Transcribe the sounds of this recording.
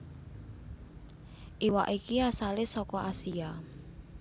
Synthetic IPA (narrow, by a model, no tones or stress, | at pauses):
ʔiwa̰ʔikiasalɪsɔkɔʔasia